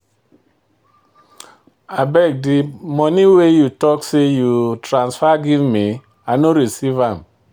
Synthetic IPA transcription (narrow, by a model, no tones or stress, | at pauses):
abɛk̚dimɔniwejutɔksejutɾãnsfaɡivmi | anoɾisivãm